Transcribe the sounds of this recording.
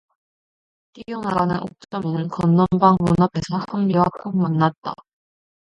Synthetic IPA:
t͈iɡjonaɡanɯnʔo̰k̚t͡ɕ͈ʌminɯnkʌnːʌmbaŋmunapʰe̞sʰʌhambiwakʰoŋ̚manːat̚t͈a̰

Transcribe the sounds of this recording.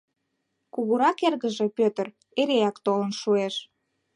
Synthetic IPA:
kuɣuɾɑkerɣəʒe̽pøt̪ə̆r | eɾeɑkt̪olənʃueʃ

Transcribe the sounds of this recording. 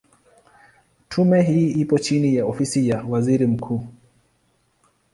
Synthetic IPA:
tʰumɛɦiːʔipɔt͡ʃinijaɔfisijawaziɾim̩kʰuː

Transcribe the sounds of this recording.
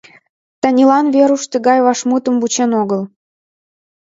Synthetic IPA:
t̪ɑnʲilɑnβeɾuʃt̪əɡɑjβɑʃmut̪ə̆mbut͡ɕenoɣəl

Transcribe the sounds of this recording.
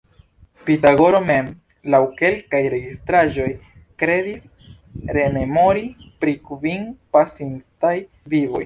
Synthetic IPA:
pitaɡo̞ɾo̞me̞m | lawke̞lkajɾe̞ɡistɾaʒo̞j | kɾe̞dis | ɾe̞me̞mo̞ɾipɾikvinpasintaj | vivo̞̰j

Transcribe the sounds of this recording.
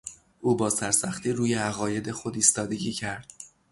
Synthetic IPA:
ʔuːbɒːsæɾsæxt̪iːɾuːje̞æɣɒːje̞d̪e̞xo̞d̪iːst̪ɒːd̪e̞ɟiːcʰæɾd̪̥

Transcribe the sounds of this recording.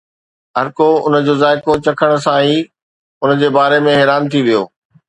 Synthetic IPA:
ɦɐɾkoʊnəd͡ʑoːzaːɪkot͡ɕɐkʰəɽ̃̆sãiː | ʊnə̆d͡ʑeːbaːɾemẽɦeːɾaːnt̪ʰiʋijoː

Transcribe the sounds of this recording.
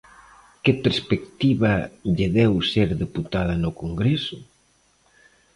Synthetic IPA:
kepeɾspekt̪iβɐʎeðɛwseɾðeput̪að̞ɐnʊkoŋɡɾesʊ

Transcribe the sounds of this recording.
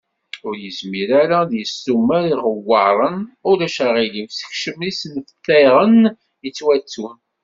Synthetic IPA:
ʊɾjəzmiɾaɾæðjəsːumːæɾiʁəwːɑʕɾˤənʊɾæʃaʁilimsə̥çʃəmisənfət̪ːæjʁən | ət͡sːwæt͡sːum

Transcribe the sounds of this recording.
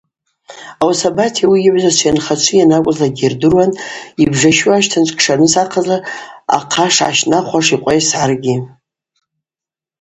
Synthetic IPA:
awasabatʰawijɪʕʷzasʷjanχat͡ʃʷʰɨjanakʷʼʊzlaɡʲerdɨrwanibʐaʃuaʃtʰant͡ʃʷʰʼkʰʂanɨsaqʰazara̰qʰaʂʕa̰ʃnaχʷaʂiqʷʼajsʕarɡʲi

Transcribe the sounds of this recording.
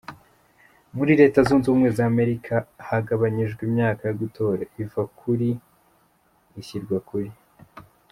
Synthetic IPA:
muɾiɾe̞ːtazuːnzuːmŋe̞zaːme̞ɾikʰahaɡaβaɲiʒɡwimɲaːkajoɡutʰo̞ːɾaivakʰuɾi | çiɾɡwakuɾi

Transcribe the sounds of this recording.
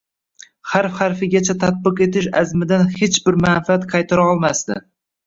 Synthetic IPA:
haɾfhaɾfɪɡʲat͡ʃʰat̪ʰat̪̚bɨqe̞t̪ɪʃa̰zmɪd̪anhet͡ʃbɪɾmanfɪat̪qʰɑjt̪ʰaɾaɒlˠmast̪ɪ̰

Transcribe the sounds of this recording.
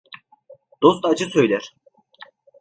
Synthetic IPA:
d̪̥o̞st̪ad͡ʒɯsø̞jlʲæɾ̥

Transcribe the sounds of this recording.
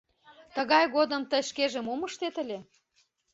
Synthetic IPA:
t̪əɣɑjɣod̪ə̆mt̪əjʃkeʒĕmoməʃt̪et̪ə̆lʲe

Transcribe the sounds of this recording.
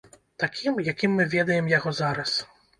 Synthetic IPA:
t̪akʲimjakʲimːɨvʲɛd̪ɐjɛmjaɣɔzaɾɐs

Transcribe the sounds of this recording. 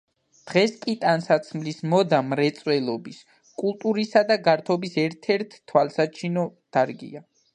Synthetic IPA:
d̪̥ʁɛskʼit̪ʼansat̪sʰmlismɔd̪amɾɛt̪sʼwɛlˠɔbis | kʼulˠt̪ʼuɾisad̪aɡaɾt̪ʰɔbisɛɾt̪ʰɛɾt̪ʰːwalˠsat͡ʃʰinɔd̪̥aɾɡḭa

